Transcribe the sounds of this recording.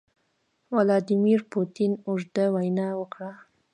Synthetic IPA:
walɑd̪imiɾpot̪inoʐd̪awajnɑwəkɽa

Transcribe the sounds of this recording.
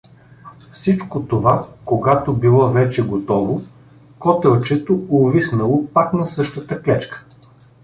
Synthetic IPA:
fsit͡ʃkot̪ovakoɡat̪obilˠɔvɛt͡ʃɛɡot̪ɔvo | kɔt̪ɛlˠt͡ʃɛt̪oovisnɐlˠopaknɐsɤʃt̪ət̪əklɛt͡ʃkə̥

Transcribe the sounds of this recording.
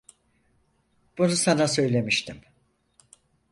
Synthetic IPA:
b̥unusanasø̞jlʲe̞miʃt̪ʰim

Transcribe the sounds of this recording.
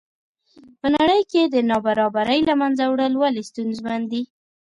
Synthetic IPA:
pənaɽəjked̪ənɑbaɾɑbaɾəjlamanzawɽəlwalest̪unzmand̪i

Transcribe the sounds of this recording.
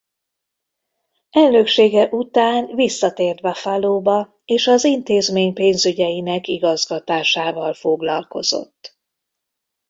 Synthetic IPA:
ɛlnøkʃeːɡɛʔut̪aːnvisːɒt̪eːrd̪bɛfaloːbɒ | eːʃɒzint̪eːzmeːɲpeːnzyɟɛjinɛkiɡɒzɡɒt̪aːʃaːvɒlfo̞ɡlɒlko̞̰z̥o̞̰t̪ː

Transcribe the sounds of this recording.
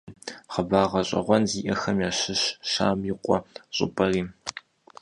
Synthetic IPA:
χɐbaːʁɐɕʼɐ̰ʁʷɔnziːʔɐxɐmjaːɕɨɕʃa̰ːmjɪqʷʼɔɕʼɪ̰pʼɐriː

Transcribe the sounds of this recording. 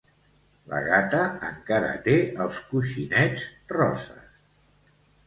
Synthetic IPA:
lə̰ɣat̪əəŋkaɾə̰t̪eəlˠskuʃinɛd͡zrɔzə̰s

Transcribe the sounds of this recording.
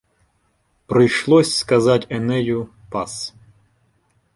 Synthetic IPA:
pɾɪjʃlˠɔsʲskɐzatʲɛnɛjʊ | pas

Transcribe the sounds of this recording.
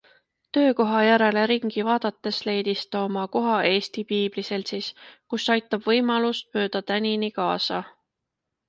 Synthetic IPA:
t̪ø̞ːko̞ɦɑjæɾe̞le̞ɾiŋɡ̥ivɑːd̪̥ɑt̪ːˑe̞sle̞jd̪̥ist̪ɑomɑko̞ɦɑʔe̞ːst̪ipiːb̥lise̞lt̪siskusːɑjt̪ːˑɑb̥vɤjmɑlust̪̚mø̞ːd̪̥ɑt̪ænʲinikɑːsɑ

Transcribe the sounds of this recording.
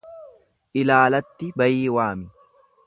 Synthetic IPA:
ʔɪlaːlɐt̪ːɪbɐjiːwaːmɪ

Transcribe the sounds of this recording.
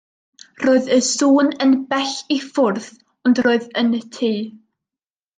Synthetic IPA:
roːɨðəsuːnənb̥ɛɬifʊrθ | ɔndroːɨðənətʰiː

